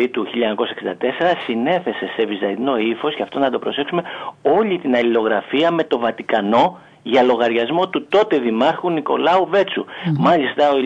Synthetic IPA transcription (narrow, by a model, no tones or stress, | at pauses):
it̪uçiʎːɐeɲɐko̞sɐeksind̪ɐt̪e̞se̞ɾɐsine̞θe̞se̞se̞vizɐino̞ifo̞sceɐft̪o̞nɐd̪o̞pɾo̞se̞ksume̞o̞ʎit̪inɐlilo̞ɣɾɐfiɐme̞t̪o̞vɐt̪ikɐno̞ | ʝɐlo̞ɣɐɾʝɐzmo̞t̪ut̪o̞t̪e̞ðimɐɾxunːiko̞̰lɐuve̞t͡sṵmɐlist̪ɐo